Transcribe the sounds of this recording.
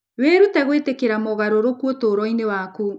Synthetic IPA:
weɾutɛɣwetekeɾamoɣaɾoɾokuotoːɾɔinewaku

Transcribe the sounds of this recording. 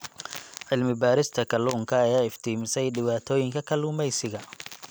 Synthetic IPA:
ʕɪlmɪbaːɾɪst̪ʰɐkʰɐluːŋkʰɐːjaːɪft̪ʰiːmɪsɛjɖɪβaːt̪ʰɔːjɪŋkʰɐkʰɐlʊːmɛjsɪɣɐ

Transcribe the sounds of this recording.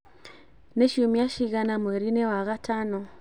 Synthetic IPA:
neʃumiaʃiɣanamweɾinewaɣatano

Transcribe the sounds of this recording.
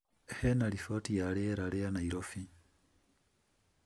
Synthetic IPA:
ehenalifotijaleeɾaleanaiɾofi

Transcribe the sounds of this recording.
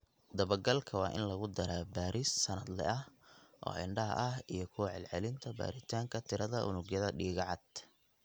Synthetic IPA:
d̪ɐβɐrɡɐlkʰɐwɑːʔɪ̰nlɐɣʊd̪ɐɾaːbaːɾisːɐnɐd̪lɛ̰ʔɐhʔɔ̰ːɪɳɖɐɦɐ̰ʔɐɦijɞkʰʊʕɛ̰lʕɛlɪnt̪ʰɐba̰ːɾɪt̪ʰaːŋkʰɐt̪ʰɪɾɐðɐʔʊ̰nʊɡjɐðɐɖiːɣʕɑd̪̥

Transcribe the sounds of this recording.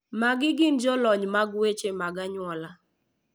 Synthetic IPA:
maɡɪɡɪnd͡ʒɔlɔɲmaɡwet͡ʃemaɡaɲwɔla

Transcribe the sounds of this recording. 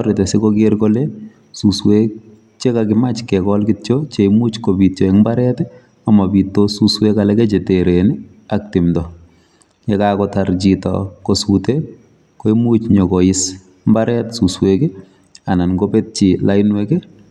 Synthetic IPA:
ɾɪtɛsɪkɔkeɾkole | suswek | t͡ʃɛkakɪmat͡ʃkɛkɔlkɪtt͡ʃot͡ʃeimut͡ʃkobit̚t͡ʃɔɛkmbaɾɛtɛ | amabitːosuswekalɛkɛt͡ʃeteɾeni | ak̚tɪmdɔ | jɛkakɔtard͡ʒitɔ̰kosute | koimut͡ʃɲɔkɔjɪs | mbaɾɛtsuswekɛ | ananɡopet̚t͡ʃilaɪnwekɛ

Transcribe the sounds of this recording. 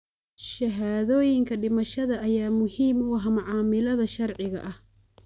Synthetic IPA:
ʃɐɦaːðɔːjɪŋkʰɐɖɪmɐʃɐðɐɐjaːmʊhiːmʊwɐɦɐmɑʕɑːmɪlɐðɐʃɐrʕɪɣɐ̰ʔɐh

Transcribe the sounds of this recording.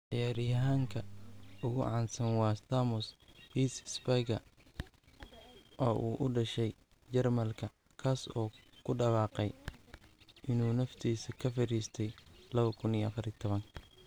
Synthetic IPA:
ʕɪjaːɾɪjɐɦaːŋkʰɐʊɣʊʕɑːnsɐnwɑːst̪aːmʊshiːssbɐɡɐ | ʔɔːʔuːʔʊɖɐʃɛj | t͡ʃɐrmɐlkʰɐ | kʰaːsɔːkʰʊɖɐwɑːqɛj | ʔɪnuːnɐft̪ʰiːsɐkʰɐfɪɾiːst̪ʰɛjlɐβɐkʰʊniɐfɐɾit̪ʰɔβɐŋ

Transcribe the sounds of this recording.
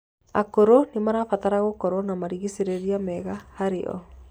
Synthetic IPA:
a̰koɾonemaɾaːfat̪aɾaɣokɔɾɔnamaɾiɣiseɾeɾiamɛɣahaɾḛɔ̰

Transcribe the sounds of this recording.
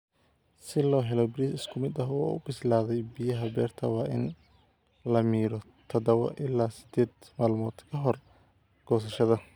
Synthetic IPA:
sɪlɔːɦɛlɔbɪɾiːsɪskʰʊmɪd̪ɐɦɔːʊ̰bɪslaːðɛjbijɐɦɐbɛ̰ːrt̪ʰɐwɑːʔɪn | lɐmiːɾɔ | t̪ʰɐd̪ɐwɔ̰ʔɪlːaːsɪd̪̥ɛːd̪maːlmɔːd̪̥kʰɐɦɔr | ɡ̥ɔːs̬ɐʃɐðɐ

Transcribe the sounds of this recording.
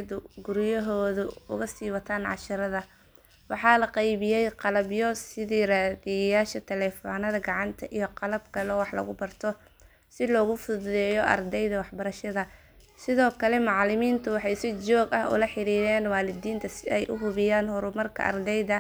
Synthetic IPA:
ðʊɡʊɾjɐɦɔːðʊʊɣɐsiːwɐt̪ʰaːnʕɑ̰ʃɪɾɐðɐ | wɑħɑːlɐqɑjβɪjɛjqɑlɐbjɔsɪðiːraːðɪjɐjaːʃɐt̪ʰɛlɛːfɔːnɐðɐɡɑʕɑnt̪ʰɐʔijɔqɑlɐb̚kʰɐlɔwɑħlɐ̰ɣʊbɐrt̪ʰɔ | sɪlɔːɣʊfʊððɛːjɔʔɐ̰rd̪ɛjðɐwɑħbɐɾɐʃɐðɐ | sɪðɔːkʰɐlɛmɑʕlɪmiːnt̪ʰʊwɑħɑjsɪt͡ʃɔːɡɐɦʊ̰lɐħɪɾiːɾɛːnwaːlɪd̪iːnt̪ʰɐsɪɛjʔʊɦʊβɪjaːnhʊɾʊmɐrkʰɐ̰ʔɐ̰rd̪ɛjðɐ

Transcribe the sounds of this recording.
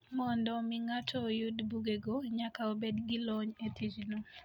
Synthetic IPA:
mɔndɔmiŋatʰɔjudbuɡeɡoɲakaobedɡilɔɲet̪id͡ʒlu

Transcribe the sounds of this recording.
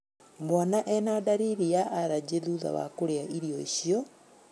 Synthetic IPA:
mwanaʔɛnadaɾiɾiaʔaɾad͡ʑeðuːða̰wa̰koɾeaʔiɾiɔiɕiɔ

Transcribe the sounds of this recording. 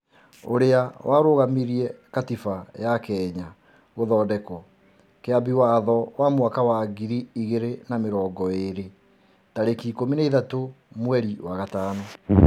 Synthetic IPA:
o̰ɾeawʔaɾoɣamiɾiɛkatifajakɛːɲa | ɣoðɔːdɛkɔ | keabiwaðɔwamwakawaɡiɾiiɣeɾenameɾɔːɡɔeɾe | taɾekiːkomineiðato | mwɛɾiwaɣataːnɔ

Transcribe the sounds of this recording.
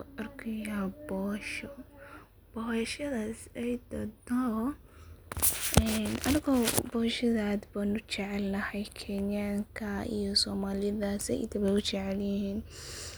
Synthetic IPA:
ʔɐrkʰɪjabɔːʃɔ | b̥ɔːhɐʃɐðaːsɛjd̪ɐd̪ɔ | ʔɛnɐnɪɣɔːbɔːʃɐðaːd̪banʊt͡ʃɛʕɛlnɐhɛjkʰɛnjaːŋkʰɐḭjɔsɔːmaːlɪjɐðaːsɛ̰ɪ̰t̪ʰɐβɛʊt͡ʃɛʕɛljɪhiːn

